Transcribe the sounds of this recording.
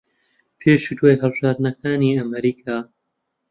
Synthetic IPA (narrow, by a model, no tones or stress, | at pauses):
pʰeːʃuːd̪wajɦəlˠbɨʒaːɾd̪nɐkʰaːniːɐmɐɾiːkʰaː